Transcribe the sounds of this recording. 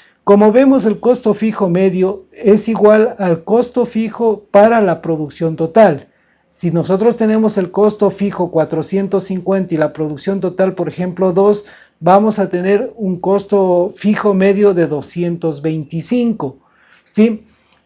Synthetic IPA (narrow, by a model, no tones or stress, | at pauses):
ko̞mo̞βe̞mo̞se̞lko̞st̪o̞fixo̞me̞ðjo̞e̞siɣwalalko̞st̪o̞fixo̞paɾalapɾo̞ðuksjo̞nt̪ot̪al | sino̞so̞t̪ɾo̞st̪e̞ne̞mo̞se̞lko̞st̪o̞fixo̞kwat̪ɾo̞sje̞nt̪o̞sːiŋkwe̞nt̪ailapɾo̞ðuksjo̞nt̪o̞t̪alpo̞ɾexe̞mplo̞ðo̞s | bamo̞sat̪e̞ne̞ɾuŋko̞st̪ofixo̞me̞ðjo̞ðe̞ðo̞sje̞nt̪o̞zβe̞jnt̪isiŋko | si